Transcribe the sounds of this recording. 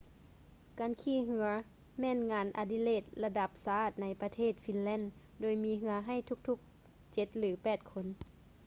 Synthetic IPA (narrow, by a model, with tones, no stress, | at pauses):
ka˨˧˥nkʰiː˧˥˨ɦɯ˧ɐ | mɛː˧˥˨nŋaː˨˧˦nʔa̰˧˩di˧˨leː˧˩t̪̚la˧da˧˦p̚sa˧aː˧˩t̪̚na˧jpa˧t̪ʰeː˥˩t̪̚fi˧˥nlɛː˧˥˨n | doː˧˩˦jmiː˧˥ɦɯ˧ɐɦa˧˩˨jt̪ʰu˧˥k̚t̪ʰu˧˥˦k̚ | t͡ɕe˧˦t̪̚lɯː˨˦pɛː˨˩t̪̚kʰo˧˥n